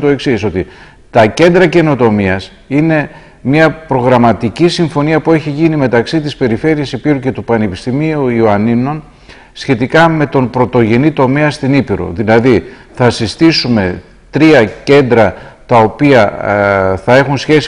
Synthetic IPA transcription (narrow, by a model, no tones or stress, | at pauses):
t̪oe̞ksiso̞t̪i | t̪ɐce̞nd̪ɾɐce̞no̞t̪o̞miɐs | ine̞ | mɐpɾo̞ɣɾɐmɐt̪icisiɱfo̞niɐpueçiʝinime̞t̪ɐksit̪ispe̞ɾife̞ɾiɐsipiɾuce̞t̪upɐnepist̪imiuioɐnino̞n | sçe̞t̪ikɐme̞t̪o̞npɾo̞t̪o̞ʝe̞nit̪o̞me̞ɐst̪inipiɾo̞̰ðilɐði | θɐsist̪isume̞ | t̪ɾiɐce̞nd̪ɾɐt̪ɐo̞piɐ | θɐe̞xunsçe̞si